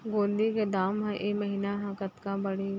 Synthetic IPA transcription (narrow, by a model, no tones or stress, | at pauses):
ɡoːnd̪iked̪aːmɦɛ̃ʔeːmɐɦinaɦãkət̪kãbɐɽi